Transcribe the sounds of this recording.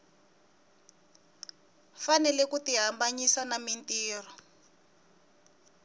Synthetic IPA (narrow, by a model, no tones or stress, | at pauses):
fanɛlɛkutiɦambaɲisanamintiːrɔ